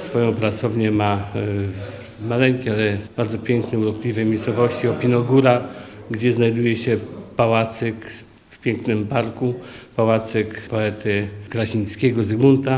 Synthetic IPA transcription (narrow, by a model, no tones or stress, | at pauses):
sfɔjɔ̃w̃pɾat̪sɔvɲɛma | malɛŋkʲɛalɛb̥aɾd̪zɔpʲjɛŋknɛuɾɔplʲivɛmʲejssɔvɔɕt͡ɕiɔpʲinɔɡuɾaɡd͡ʑɛznajd̪ujɛɕɛpawat̪sɛk | fpʲjɛŋknɘmpaɾkupawat̪sɛkpɔɛt̪ɘkɾaɕiɲskʲɛɡɔzɡmunt̪a